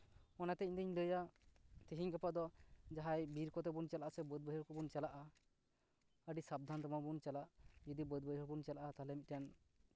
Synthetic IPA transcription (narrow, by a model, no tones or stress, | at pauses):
ɔnat̪ɛɲd̪əɲləjat̪iɦiɲɡapad̪ɔd͡ʒaɦajbiɾkɔt̪ɛbunt͡ʃalaʔasɛbəd̪̚bəɦɔɾkɔbunt͡ʃalaʔa | əɖisab̚d̪ʱant̪ɔmabunt͡ʃalaʔd͡ʒud̪ibəd̪̚bəjɦɔɾbunt͡ʃalaʔat̪alɛmit̪̚tan